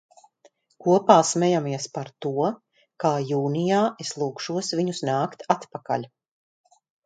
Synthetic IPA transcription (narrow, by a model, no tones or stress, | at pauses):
kuɔpaːsmɛjamiɛspaɾt̪uɔ | kaːjuːnijaːeslˠuːkʃuɔsviɲusnaːkt̪at̪paka̰ʎʲ